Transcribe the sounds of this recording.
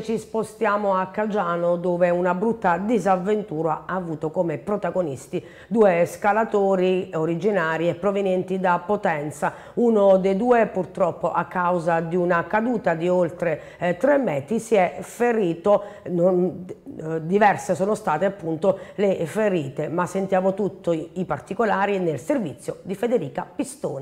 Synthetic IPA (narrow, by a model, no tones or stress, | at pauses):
t͡ʃispost̪jaːmoakːad͡ʒaːnod̪oːveunabɾut̪ːad̪izavːent̪uːɾaaːvuːt̪okomepɾot̪aɡonist̪i | d̪uːeskalat̪oːɾioɾid͡ʒinaːɾiɛpːɾovenjɛnt̪id̪apːot̪ɛnt̪sa | unod̪ed̪uːepurt̪ɾɔpːoʔakːawzad̪iunakad̪uːt̪ad̪iolt̪ɾe | t̪ɾemːɛːt̪isiɛfeɾiːt̪onon | d̪ivɛrsesɔːnost̪aːt̪eapːunt̪olefeɾiːt̪emasːent̪jaːvot̪ut̪ʰːoipart̪ikolaːɾinelservit̪sːjod̪ifed̪eɾiːkapist̪o̰ːna